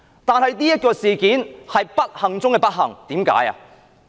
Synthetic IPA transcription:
t̪aː˨nhɐ˨jniː˥jɐ˥t̚kɔː˧siː˨kiː˨˥nhɐ˨jpɐ˥t̚hɐ˨ŋt͡sʊ˥ŋkɛː˧pɐ˥t̚ɦɐ˨˩ŋt̪iː˨˥mka̰ː˨˥ja̰ː˧

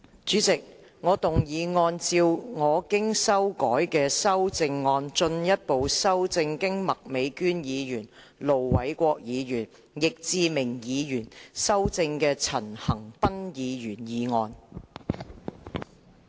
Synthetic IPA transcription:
t͡ʃyː˨˥t͡sɪ˨k̚ | ŋɔː˨˧t̪ʊ˨ŋjiː˨˧ŋɔː˧nt͡siː˧wŋɔː˨˧kɪ˥ŋsɐ˥wkɔː˨˥jkɛː˧sɐ˥wt͡sɪ˧ŋːɔː˧nt͡ʃɵ˧njɐ˥t̚po˨wsɐ˥wt͡sɪ˧ŋkɪ˥ŋmɐ˨k̚me˨˧jkyː˥njiː˨˧jyː˨˩n | lo˨˩wwɐ˨˥jkʷɔː˧k̚jiː˨˧jyː˨˩n | jɪ˨k̚t͡siː˧mɪ˨˩ŋjiː˨˧jyː˨˩nsɐ˥wt͡sɪ˧ŋkɛː˧t͡sʰɐ˨˩nhɐ˨˩ŋpɐ˥njiː˨˧jyː˨˩njiː˨˧ŋɔː˧n

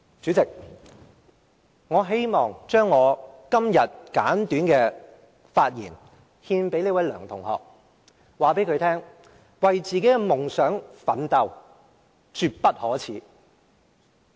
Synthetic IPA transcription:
t͡ʃyː˨˥t͡sɪ˨k̚ | ŋɔː˨˧ɦe˥jmɔː˨˩ŋt͡ʃœː˥ŋːɔː˨˧kɐ˥mjɐ˨t̚ka̰ː˨˥nt̪yː˨˥nkɛː˧ | faː˧t̚jḭː˨˩n | hiː˧npe˨˥jle˧˥wɐ˨˥jlœ̰ː˨˩ŋt̪ʰʊ˨˩ŋhɔ̰ː˨˩k̚ | waː˨pe˨˥jkʰɵ˨˧ɥt̪ʰɛː˥ŋ | wɐ˨jt͡siː˨ke˨˥ɡɛ˧mʊ˨˩ŋsœː˨˥ŋfɐ˨˥nt̪ɐ˨w | t͡ʃyː˨˧t̚pɐ˥t̚hɔː˨˥t͡sʰiː˨˥

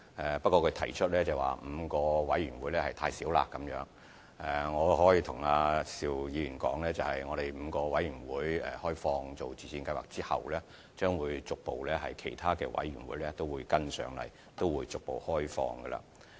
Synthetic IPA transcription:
ɛ˨˩pɐ˥kɔː˧kʰɵ˨˧ɥt̪ʰɐ˨˩jt͡ʃʰɵ˥t̚lɛː˥t͡sɐ˨˩wa̰ː˨˩m̩˨˧kɔː˧wɐ˨˥jɥyː˨˩nwu˨˥jlɛː˥hɐ˨jt̪ʰaː˧jsiː˨˥wla̰ː˧kːɐ˨˥mjœː˨˥ŋ | ɛ˨˩ŋɔː˨˧hɔː˨˥jiː˧t̪ʰʊ˨˩ŋaː˧siː˨wjiː˨˧jyː˨˩nkɔ̰ː˨˥ŋlɛː˥t͡sɐ˨whɐ˨jŋɔː˨˧ɾe˨jm̩˨˧kɔː˧wɐ˨˥jyː˨˩nwuː˨˥jɛ̰ː˨hɔː˥jfɔː˧ŋt͡so˨˩wt͡siː˨˩sʰiː˧nkɐ˧jwa̰ː˨k̚t͡siː˥hɐ̰˨wlɛː˥ | t͡ʃœː˥ŋwuː˨˧jt͡sʊ˨k̚po˨wlɛː˥hɐ˨jkʰe˨˩jt̪ʰaː˥kɛ̰ː˧wɐ̰˨˥jɥy̰ː˨˩nwuː˨˥jlɛː˥t̪o˥wuː˨˧jkɐ˥nsœ̰ː˨˥ŋlɐ̰˨˩j | t̪o˥wwuː˨˧jt͡sʊ˨k̚po˨whɔː˥jfɔ̰ː˧ŋɡə˧la̰ː˨˧

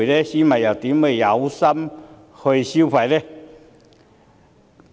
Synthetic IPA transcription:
ɾe˥˧ɕi˦ma˨˩ja˨˩t̪i˨˦me˧˩ja˨˦wsa˧˥m | ho˧jɕi˦fa˨jde˦

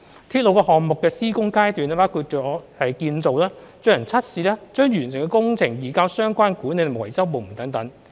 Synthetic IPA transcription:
t̪ʰiː˥t̚lo˨˧wkɔː˧hɔː˨ŋmʊ˨kːɛː˧siː˥kʊ˥ŋkaː˥jt̪yː˨nɛ˥paː˨˥wkʰuː˧t̚t͡ʃy˨ɔː˨˧hɐ˨jkiː˧nt͡so˨wlaː˥t͡sɵ˧ɥjɐ˨˩nt͡sʰɐ˥t̚siː˨˧lɛː˥t͡ʃœː˥ŋjyː˨˩nsɪ˨˩ŋkɛ˧kʊ˥ŋt͡sʰɪ˨˩ŋjiː˨˩kaː˧wsœː˥ŋkʷaː˥nkuː˨˥ne˨˧n˨wɐ˨˩jsɐ˥wpo˨˧wm̩˨˩t̪ɐ˨˥ŋt̪ɐ˨˥ŋ

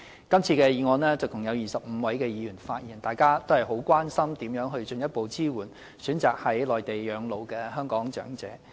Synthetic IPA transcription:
kɐ˥mt͡sʰiː˧kɛː˧jiː˨˧ŋɔː˧nɛː˥t͡sɐ˨˩t̪ʰʊ˨˩ŋjɐ˨˧wjiː˨˩sɐ˨p̚m̩ː˨˧wɐ˨˥jkɛː˧jiː˨˧jyː˨˩nfaː˧t̚jiː˨˩nt̪aː˨jkaː˥t̪o˥whɐ˨˩jɦo˨˥wkʷaː˥nsɐ˥mt̪iː˨˥mjœː˨˥ŋɦɵ˧ɥt͡ʃɵ˧njɐ˥t̚po˨wt͡siː˥wuː˨˩n | syː˨˥nt͡saː˨k̚hɐ˨˥jlɔː˨˩jt̪e˨˩jjœː˨˧ŋlo˨wkɛː˧ɦœː˥ŋkɔː˨˥ŋt͡ʃœ̰ː˨˥ŋt͡sɛ̰ː˨˥

